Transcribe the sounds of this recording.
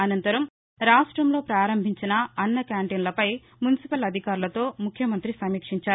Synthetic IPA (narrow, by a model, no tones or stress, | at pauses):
ɐnɐnt̪ɐɾɐm | ɾaːʂʈɾɐmlo̞ːpɾaːɾɐmbʱiɲt͡ʃinɐɐnːɐkjaːɳʈeːnlɐpɐj | munisipɐlɐd̪ʱikaːɾulɐt̪o̞ːmukʰjɐmɐnt̪ɾisɐmiːkʂiɲt͡ʃaː